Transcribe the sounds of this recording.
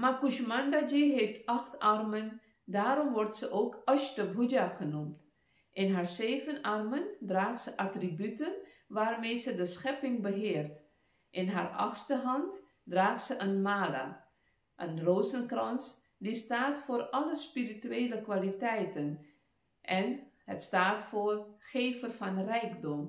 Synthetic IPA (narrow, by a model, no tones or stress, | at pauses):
makuʃmandad͡ʒiɦeftɑxtɑrmən | daːɾɔmʋɔrtsəʔoːkɑʃtəbud͡ʒaχənumt | ʔɪnɦaːɹzeːvənʔɑrməndraːχtsəʔatribytən | ʋaːrmeːjzədəsχɛpɪŋbəɦɪːrt | ʔɪnɦa̰ːrʔɑ̰χstəɦɑnt | draːχtsəʔənmaːla̰ | ʔənroːzənkrɑns | distaːtfʊːrɑləspirityeːləkʋalitɛjtən | ʔɛnɦətstaːtfoːrχeːvərfɑnrɛjɡdɔm